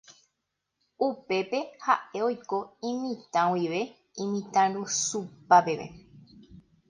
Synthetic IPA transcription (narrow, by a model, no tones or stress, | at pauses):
upe̞pe̞haʔe̞o̞jkoĩmĩt̪ãwiʋe̞ | ĩmĩt̪ãɾũsupape̞ʋḛ